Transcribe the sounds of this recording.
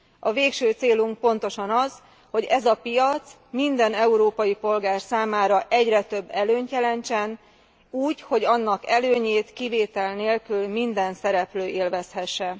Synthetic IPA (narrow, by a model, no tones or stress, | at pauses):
ɒveːkʃøːt̪seːluŋk̚po̞nt̪o̞ʃɒnɒz | ho̞ɟɛzɒpijɒt̪s | mind̪ɛnɛuɾoːpɒjipo̞lɡaːrsaːmaːɾɒʔɛɟrɛt̪ø̞bːɛløːɲt̪jɛlɛnt͡ʃɛn | uːɟho̞ɟɒnːɒkɛløːɲeːt̪kiveːt̪ɛlneːlkylmind̪ɛnsɛɾɛpløːʔeːlvɛshɛʃːɛ